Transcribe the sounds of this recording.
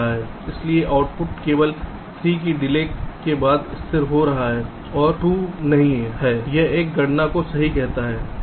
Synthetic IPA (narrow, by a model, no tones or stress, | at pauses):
aɦɛː | ɪslieʔaːʊʈpʊʈkeːʋəl | sɾiːk̬iɖɪlekebaːd̪ɪst̪ʰɪɾɦoɾɐɦaɦɛː | ɔːɾʈuːnɐɦĩɦɛːjeeːk̚ɡɐɽnakosɐɦikɛɦt̪aɦɛː